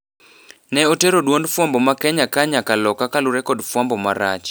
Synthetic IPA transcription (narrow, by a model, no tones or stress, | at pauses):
nɛoteɾodwondfwambɔmakɛɲakaɲakalɔkakalʊɾɛkɔdfwambɔmaɾa̰t͡ʃ